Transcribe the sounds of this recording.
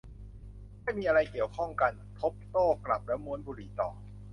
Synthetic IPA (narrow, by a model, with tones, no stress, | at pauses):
maː˥˩jmiː˧ʔa˧ɾa˧jki˨˩əwkʰɔ˥˩ŋka˧n | t̪ʰo˦˥p̚t̪oː˥˩kla˨˩p̚lɛː˦˥wmu˦˥ənbuː˧ɾiː˩˦t̪ɔː˨˩